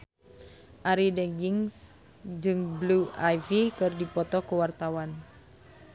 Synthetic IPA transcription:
ʔaɾidɛɡiŋs | d͡ʒɨŋbluajfikɨrdipɔt̪ɔkəwart̪awan

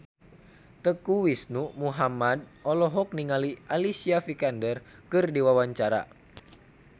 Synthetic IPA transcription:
t̪əkuwisnumuɦamad̚ɔlɔɦɔk̚niŋaliʔalisiafikandərkɨrdiwawaɲt͡ʃaɾa̰

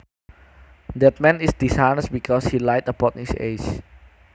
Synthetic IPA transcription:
dɛt̪̚mɛ̃nisdisajnəsbikʰɔshilajtəpɔ̃nhisḛs

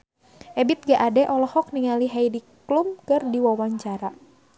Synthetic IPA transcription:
ʔɛbit̪̚ɡaʔadɛʔɔlɔhɔk̚niŋaliɦajdiklumkɨrdiwawaɲt͡ʃaɾa

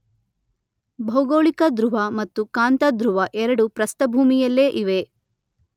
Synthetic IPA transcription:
bʱɐwɡoːɭikɐd̪ɾuʋɐmɐt̪ːukaːnt̪ɐd̪ɾuʋɐʔɛɾɐɽupɾɐst̪ɐbʱuːmijɐlːeːʔiʋe

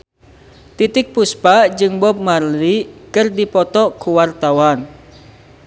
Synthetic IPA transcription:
t̪it̪ɪk̚puspad͡ʒɨŋbɔp̚marlikɨrdipɔt̪ɔkuwart̪awan

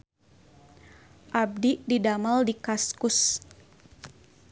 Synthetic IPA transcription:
ʔab̚diʔdidamaldikaskus

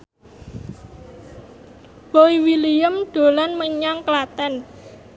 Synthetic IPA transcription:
b̥oiwilijəmɖ̪̥o̤lanməɲaŋklat̪ɛn

